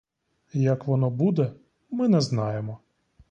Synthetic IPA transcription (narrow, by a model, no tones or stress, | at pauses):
jakʋɔnɔbud̪ɛ | mɪnɛznɑjemɔ